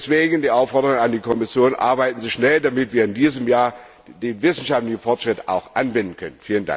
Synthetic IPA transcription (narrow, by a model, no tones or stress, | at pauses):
sv̥eːɡən̩diːʔaʊfːɔɐdəɐʁoŋənandiːkʰɔmɪsjoːnʔa̰ɐbaɪtn̩zɪʃnɛldamɪtv̥iːɐɪndiːzəmjaːɐ | deːnvɪsn̩ʃaftlɪçn̩fɔɐtʃʁ̥ɪtʔa̰ʊxʔanbɪndn̩kʰœnənfiːlənda̰ŋk